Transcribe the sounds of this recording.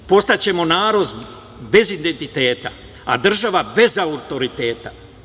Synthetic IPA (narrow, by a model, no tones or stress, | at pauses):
po̞st̪at͡ɕe̞mo̞naːɾo̞z | be̞zind̪ent̪it̪eːt̪a | a̰d̪r̩ʒaʋabe̞zaut̪o̞ɾit̪e̞ːt̪a